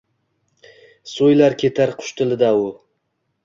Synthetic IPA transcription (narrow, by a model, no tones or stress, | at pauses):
sojlaɾkʲʰe̞t̪ʰaɾqʰʊ̥ʃt̪ʰɪlɪd̪aʊ